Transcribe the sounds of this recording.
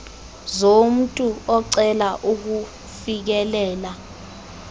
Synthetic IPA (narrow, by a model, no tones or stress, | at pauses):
zom̩tʼuɔǀɛlaʔuk̬u | fik̬ɛlɛːla